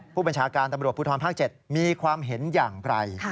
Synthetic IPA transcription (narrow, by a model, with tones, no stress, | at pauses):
pʰuː˥˩ba˧nt͡ɕʰaː˦˥kaː˧nt̪a˧mɾu˨˩ət̪̚pu˦˥t̪ʰɔː˧npʰaː˥˩k̚t͡ɕe˨˩t̪̚miː˧kʰwaː˧mɦe˩˦njaː˨˩ŋɾa˧j